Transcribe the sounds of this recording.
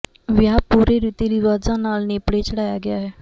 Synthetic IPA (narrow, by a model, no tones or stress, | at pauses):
ʋjaːpuːɾeːɾiːt̪iːɾiʋaːzãːnaːlneːpɽeːt͡ʃəɽaːjaːɡɪjaːɦɛː